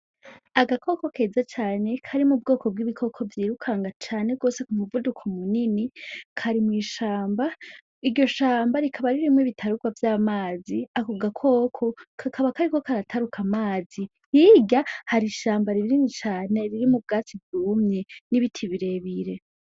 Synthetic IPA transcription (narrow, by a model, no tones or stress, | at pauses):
aɡakʰo̞ko̞keːzat͡ʃaːne̞kʰaɾimub̚ɡo̞ːko̞b̚ɡiβikʰo̞kʰo̞vjiːɾukʰaŋɡat͡ʃaːne̞ɡo̞ːse̞kumuvudukʰomuninikʰaɾimwiːʃaːmba | iɾɟo̞ʃaːmbaɾikʰaβaɾiɾimwiβitʰaɾuɡwavjaːmaːziakuɡakʰo̞ːkʰo̞kʰakʰaβakaɾiko̞kaɾatʰaɾukʰamaːzi | hiɟahaɾiʃaːmbaɾiɾiɾinit͡ʃaːne̞ɾiɾimub̚ɡaːt͡sibjuːmɲe̞niβitʰiβiɾe̞βiɾe̞